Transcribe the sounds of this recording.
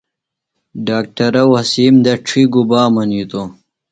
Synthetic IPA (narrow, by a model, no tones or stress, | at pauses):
ɖaːk̚ʈɐɾɐwɐsiːmd̪ɐʈ͡ʂʰiɡubaːmɐnit̪o